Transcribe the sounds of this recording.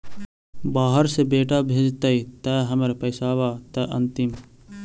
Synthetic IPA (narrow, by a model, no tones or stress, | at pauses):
baːɦəɾsebeːʈabʱeːd͡ʒt̪ɐit̪ɛɦɐməɾpɐɪsaːʋaːt̪ɛʔɐ̰̃nt̪ɪm